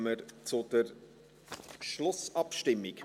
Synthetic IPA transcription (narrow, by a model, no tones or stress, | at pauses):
məɾt͡sʊd̥əɾ | ʃlʊsɑpʃtɪmːɪk